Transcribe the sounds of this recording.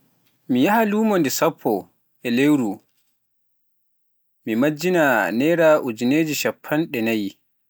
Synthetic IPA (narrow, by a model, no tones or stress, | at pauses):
mijahaluːmɔndɛsapʰːɔ | ʔɛlewɾu | mimad͡ʒːinanɛːɾaʔud͡ʒineːd͡ʒiʃapʰːanɗɛnaji